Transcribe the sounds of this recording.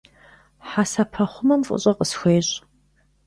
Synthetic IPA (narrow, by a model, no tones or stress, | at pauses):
ħasɐpʰɐχʷʊmɐmfʷʼʊ̰ɕʼɐqʼəsxʷeːɕʼ